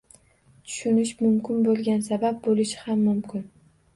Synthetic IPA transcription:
t̪ʰʊ̥ʃʊnɪʃmʊmkʲɪnbolˠɡʲansabap̚bolɪʃɪhamːʊmkʰʲɪn

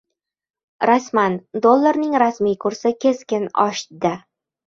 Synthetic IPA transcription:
ɾasmand̪olˠːaɾnɪŋɾasmijkʰʊɾsɪkʲʰe̞skʲɪnɒ̰ʃd̪ɪ

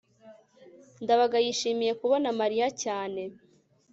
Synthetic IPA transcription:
ndaβaɡajiʃiːmije̞kuβo̞namaɾijacaːne̞

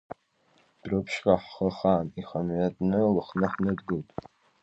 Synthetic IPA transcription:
d̥rɨpʰʃqʼaħːəχaːniχamɥatʼnɨlɨχnɨħnɨdɡɨltʼ

